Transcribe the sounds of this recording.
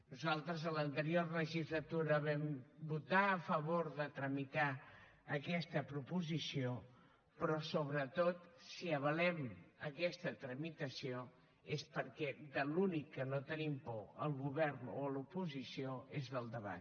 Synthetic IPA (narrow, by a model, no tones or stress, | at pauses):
nuzalˠt̪ɾəzələnt̪əɾiorləʒist̪lət̪uɾəβɛmbut̪aːfəβoɾðət̪ɾəmit̪a | əkɛst̪əpɾupuzisio | pɾɔsoβɾət̪ot̪siəβ̞əlɛməkɛst̪ət̪ɾəmit̪əsio | espəɾkɛðəlunikːənot̪ənimpɔəlˠɣuβɛɾno̰lupuzisioezðəlˠd̪əβa̰t̪